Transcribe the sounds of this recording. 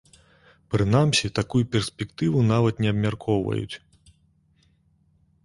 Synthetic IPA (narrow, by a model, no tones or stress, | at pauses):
pɾɨnamsʲit̪akujupʲɛrsʲpʲɛkt̪ɨvunavɐt̪nʲɛɐbmʲarkʰɔwvɐ̰jṵt͡sʲ